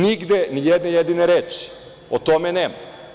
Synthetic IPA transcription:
niɡd̪enijɛd̪nejed̪ineɾeːt͡ʃi̥ | ot̪omeneːma

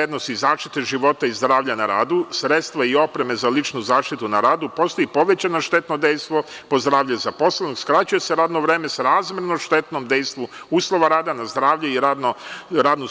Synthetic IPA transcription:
ed̪nosizaːʃt̪it̪eʒiʋo̞t̪aizd̪ɾaːʋʎanaɾa̰ːd̪usɾe̞t̪st̪ʋaio̞pɾe̞me̞zalit͡ʃnuzaːʃt̪it̪unaɾaːd̪upo̞ːst̪o̞jipo̞ʋet͡ɕanoʃt̪e̞t̪nod̪ejst̪ʋo̞po̞zd̪ɾaːʋʎezapo̞slenokskɾat͡ɕuje̞se̞ɾaːd̪noʋɾeːme̞sɾaːzmʲeɾnoʃt̪e̞t̪nomd̪ejst̪ʋuuːslˠo̞ʋaɾaːd̪anazd̪ɾaːʋʎeiɾad̪noɾaːd̪nu

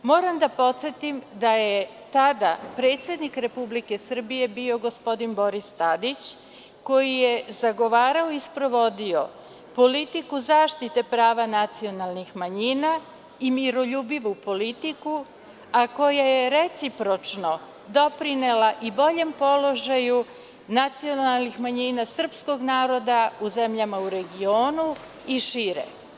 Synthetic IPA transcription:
mo̞ːɾamd̪apo̞t̪sjet̪imd̪aje | t̪ad̪apɾe̞ːt̪sʲje̞d̪nikɾe̞publike̞sr̩bije̞bio̞ɡo̞spo̞d̪inbo̞ɾist̪ad̪it͡ɕ | ko̞jijezaɡo̞ʋaːɾaoispɾo̞ʋo̞d̪io̞ | po̞lit̪ikuzaːʃt̪it̪e̞pɾaːʋanat̪sio̞nalˠnixmaɲiːna | imiɾo̞ʎuːbiʋupo̞lit̪iku | ako̞jajeɾe̞t̪sipɾo̞t͡ʃno̞ | d̪o̞pɾinelaʔibo̞ʎe̞mpo̞lo̞ʒaju | nat̪sio̞nalˠnixmaɲinasr̩psko̞ɡnaːɾo̞d̪auze̞mʎamauɾe̞ɡio̞ːnu | iʃiːɾḛ

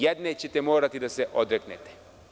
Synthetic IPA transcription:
jɛd̪net͡ɕet̪ɛmoːɾat̪id̪aseʔod̪ɾeknet̪e̥

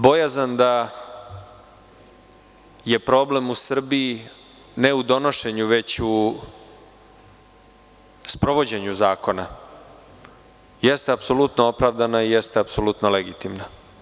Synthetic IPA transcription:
bo̞jazand̪a | je̞pɾo̞ble̞musr̩bii | ne̞ud̪o̞no̞ʃe̞ɲuʋe̞t͡ɕu | spɾo̞ʋo̞d͡ʑeɲuzaːko̞na | jest̪eapso̞lut̪noo̞pɾaʋd̪anaijest̪eapsolˠut̪noleɡit̪imna

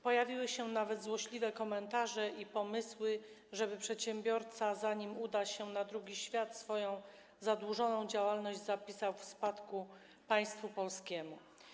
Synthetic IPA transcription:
pɔjavʲiwɘɕɛnavɛd̪zwɔɕlʲivɛkɔmɛnt̪aʐɛipɔmɘswɘ | ʐɛbɘpʂɛt̪ɕɛmbʲjɔɾt̪sazaɲimud̪aɕɛnad̪ɾuɡʲiɕfʲjat̪sfɔjɔ̃w̃ | zad̪wuʐɔnɔ̃w̃d͡ʑawalnɔʑd͡ʑzapʲisawfspat̪ku | paj̃st̪fupɔlskʲɛmu

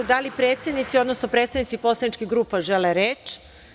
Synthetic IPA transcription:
d̪alipɾeːt̪sjed̪nit̪sio̞d̪no̞sno̞pɾe̞t̪st̪aʋnit̪sipo̞slad̪nit͡ʃkiɣɡɾuːpaʒeleɾet͡ʃ

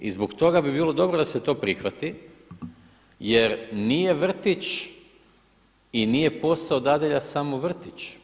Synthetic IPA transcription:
ḭzbokt̪o̞ɡabibiːlˠo̞d̪o̞bɾod̪ase̞t̪o̞ːpɾixʋat̪i | je̞ɾnije̞ʋr̩t̪it͡ʃ | inije̞po̞saod̪ad̪eʎasamoʋr̩t̪it͡ʃ

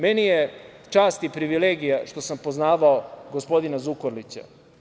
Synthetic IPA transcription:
menijet͡ʂaːst̪ipɾiʋileːɡijaʃt̪o̞sampo̞znaːʋaoɡospo̞d̪inazukoɾlit͡ɕa̰

